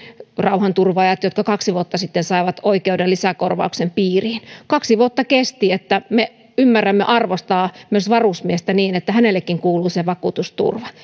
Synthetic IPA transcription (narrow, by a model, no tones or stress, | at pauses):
rɑuhɑnt̪urʋɑjɑt̪jot̪kɑkɑksiʋuot̪ːɑsit̪ːensɑiʋɑt̪oikeudelisækorʋɑ̰uksempiːriːnkɑksiʋuot̪ːɑkest̪iet̪ːæme | ymːærːæmːḛʔɑrʋost̪ɑːmyøsʋɑrusmiest̪æniːnet̪ːæhænelːekːiŋkuːluːseʋɑkuːˑt̪ust̪ṵrʋɑ